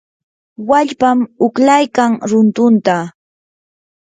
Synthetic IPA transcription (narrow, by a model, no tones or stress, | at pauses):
waʎpamʊklajkaŋɾʊnt̪ʊnt̪a